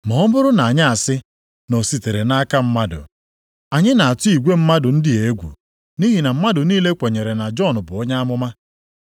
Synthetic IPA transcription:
mɔ˨ɔ˦mʊ˦ɾʊ˦na˨ɲɪ˦a˨sɪ˦ | no˨si˨te˨ɾe˨na˦ka˦m̩˦ma˦dʊ̰˨ | a˨ɲɪ˦na˨a˨tʊ˦i˨ɡʷe˦m̩˦ma˦dʊ˨n̩˦dɪ˦e˦ɡʷṵ˨ | ni˦ɦi˨na˨m̩˦ma˦dʊ˨niː˦le˦kʷe˨ɲe˨ɾe˨na˨d͡ʒɔ˦˨n˨bʊ˨ɔ˦ɲa˦a˦mʊ˦ma˦

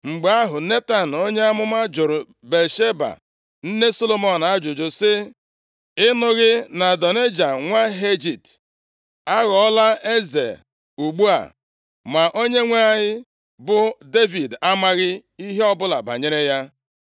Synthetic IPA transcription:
ŋ͡m̩˨ɡ͡ba˨˦a˦ɦʊ˨ne˦ta˨n̩˨o˦ɲe˦a˦mʊ˦ma˦d͡ʒʊ˨ɾʊ˨ | be˨lʃe˦ba̰˨ | n̩˦ne˦so˦lo˦mo˨n˨a˦d͡ʒʊ˨d͡ʒʊ˨sɪ˦ | ɪ˦nʊ˦ɣɪ˦na˨dɔ˨ne˦d͡ʒa˨ŋʷa˦ɦe˦d͡ʒi˨t | a˦ɣɔ˨ɔ˦la˦e˦zḛ˨ | u˨ɡ͡bu˦a̰˨ | ma˨ʔo˦ɲe˦ŋʷa˦a˦ɲɪ˦ | bʊ˨de˦vi˨da˦ma˦ɣɪ˦i˦ɦe˦ɔ˦bʊ˦la̰˨ba̰˨ɲe˦ɾe˦ja˦

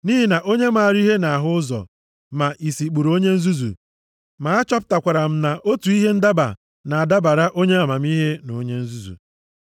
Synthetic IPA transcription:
ni˦ɦi˦na˨ʔo˦ɲe˦ma˨a˨ɾi˦ɦe˦na˨a˨ɦʊ˦ʊ˦zɔ̰˨ | ma˨ʔi˨si˨k͡pu˨ɾo˦ɲe˦n̩˦zu˦zṵ˨ | ma˨a˦t͡ʃɔ˦pʊ̥˦ta˨kʷa˨ɾa˨m̩˦na˨ʔo˦tu˨i˦ɦe˦n̩˦da˦ba̰˨ | na˨a˨da˦ba˨ɾa˦ʔo˦ɲe˦a˨ma˨m˦i˦ɦe˦no˨˦ɲe˦n̩˦zu˦zṵ˨

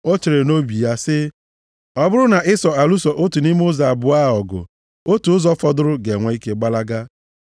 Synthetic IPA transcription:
o˦t͡ʃe˨ɾe˨no˦bi˨ja˦sɪ˦ | ɔ˦bʊ˦ɾʊ˦na˨ʔɪ˦sɔ˨a˨lu˦sɔ˨ʔo˦tu˨ni˦m˦ʊ˦za˨a˨bʊ˨a˦˨ɔ˨ɡʊ̰˨ | o˦tu˨ʊ˦zɔ˦fɔ˦dʊ˦ɾʊ˦ɡe˨ŋʷa˨i˦ke˦ɡ͡ba˦la˦ɡa˦

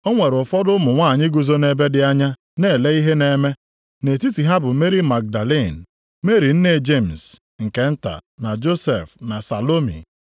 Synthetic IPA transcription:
o˦ŋʷe˨ɾʊ˨fɔ˦dʊ˦mʊ˨ŋʷa˦˨ɲɪ˦ɡu˨zo˦ne˨be˦dɪ˦a˦ɲa˦ | ne˦˨le˦i˦ɦe˦ne˨me˦ | ne˨ti˦ti˨ɦa˦bʊ˨˦me˦ɾi˦ma˨k̚da˨li˦˨n̩˨ | me˦ɾi˨n̩˦ne˨d͡ʒe˦˨m̩˨s | ŋ̩˨ke˦n̩˦ta̰˨na˨d͡ʒo˦sḛ˨fna˨sa˨lo˦mḭ˨

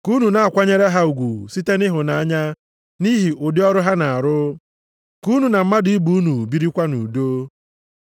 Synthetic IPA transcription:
ku˦nu˨na˨a˨kʷa˦ɲe˦ɾe˦ɦa˦u˨ɡʷu˨si˦te˦nɪ˦ɦʊ˨na˨a˦ɲa˦ | ni˦ɦi˨ʔʊ˨dɪ˦ɔ˦ɾʊ˦ɦa˦na˨a˨ɾʊ˦ | ku˦nu˨na˨m̩˦ma˦di˨˦i˦bu˦u˦nu˨bi˦ɾi˦kʷa˦nṵ˨do˦

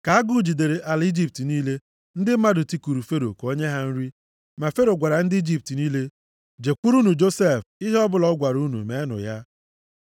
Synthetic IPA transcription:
ka˨˦a˦ɡu˦d͡ʒi˨de˨ɾe˨ʔa˨li˦d͡ʒi˦p̚ti˨niː˦le˦ | n̩˦dɪ˦m̩˦ma˦dʊ˨ti˦ku˨ɾu˨fe˦ɾo˨ko˦ɲe˦ɦa˦n̩˦ɾi˦ | ma˨fe˦ɾo˨ɡʷa˨ɾa˨n̩˦dɪ˦i˦d͡ʒi˦p̚ti˨niː˦le˦ | d͡ʒe˨kʷu˦ɾu˦nu˨d͡ʒo˦se˦˨fɪ˦ɦɔ˦bʊ˦lɔ˦ɡʷa˨ɾu˦nṵ˨me˨˦nʊ̰˨ja˦

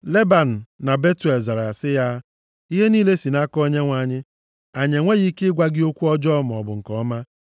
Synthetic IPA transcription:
le˦ba˨n̩˨na˨be˦tu˨e˨lza˨ɾa˨a˨sɪ˦ja˦ | i˦ɦe˦niː˦le˦si˨na˦kɔ˦ɲe˦ŋʷa˨ɲɪ˦ | a˨ɲe˨ŋʷe˦ɣi˦kɪ˦ɪ˦ɡʷa˦ɡɪ˦o˦kʷu˦ɔ˦d͡ʒɔ˦m˨ɔ˨bʊ˨ŋ̩˨kɔ˦ma˦

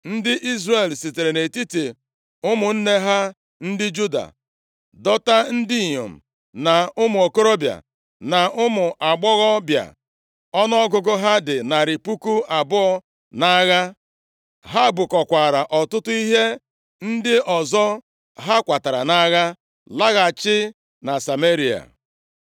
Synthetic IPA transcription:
n̩˦dɪ˦ʔi˦zre˨lsi˨te˨ɾe˨ne˨ti˦te˨ | ʊ˦mʊ˨n̩˦ne˦ɦa˦ | n̩˦dɪ˦d͡ʒu˦da̰˨ | dɔ˦ta˦n̩˦dɪ˦˨ɲo̰˨m̩˨ | na˨ʊ˦mʊ˨o˨ko˦ɾo˦bja̰˨ | na˨ʔʊ˦mʊ˨ʔa˨ɡ͡bɔ˦ɣɔ˦bja̰˨ | ɔ˦nɔ˦ɡʊ˨ɡʊ˦ɦa˦dɪ˨na˨ɾɪ˨pu˦ku˦a˨bʊ˦ɔ˦ | na˦ɣa˦ | ɦa˦bʊ˨kɔ˨kʷa˨ɾa˨ʔɔ˨tʊ˦tʊ˦i˦ɦe˦ | n̩˦dɪ˦ʔɔ˨zɔ˦ | ɦa˦kʷa˨ta˨ɾa˨na˦ɣa˦ | la˦ɣa˨t͡ʃɪ˦ | na˨sa˨me˦ɾi˨a̰˨

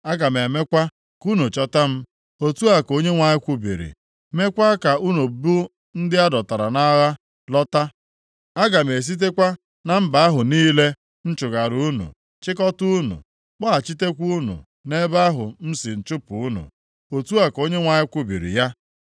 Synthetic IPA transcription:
a˦ɡa˨m˨e˨me˦kʷa˦ | ku˦nu˨t͡ʃɔ˦ta˦m̩˦ | o˦tu˦a˨ko˦ɲe˦ŋʷa˨ɲɪ˦kʷu˦bḭ˨ɾḭ˨ | me˦kʷa˦ka˨u˦nu˨bu˦ | n̩˦dɪ˦a˦dɔ˨ta˨ɾa˨na˦ɣa˦ | lɔ˦ta˦ | a˦ɡa˨m̩˨e˨s̬i˦t̬e˦kʷa˦ | na˨m̩˦ba˨a˦ɦʊ˨niː˦le˦ | n̩˦t͡ʃʊ˨ɡa˨ɾu˦nṵ˨ | t͡ʃɪ˦kɔ˦tu˦u˦nṵ˨ | k͡pa˦a˨t͡ʃi˦te˦kʷu˦nṵ˨ | ne˦ba˦ɦʊ˨m̩˦sɪ˨n̩˨t͡ʃʊ˦pu˨u˦nṵ˨ | o˨tu˦a˨ko˦ɲe˦ŋʷa˨ɲɪ˦kʷu˦bḭ˨ɾḭ˨ja˦

